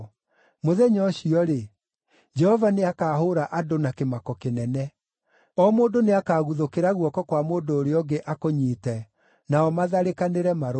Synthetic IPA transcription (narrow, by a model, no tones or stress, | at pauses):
moðɛɲɔɕiɔɾe | d͡ʒɛhɔvaneakaːɦoɾaʔadonakemakɔkenɛnɛ | ɔmoːndoneakaːɣuðokeɾaɣwɔkɔkwamoːndoːɾeɔɡeʔakoɲiːtɛ | naɔmaðaɾekaneɾɛmaɾo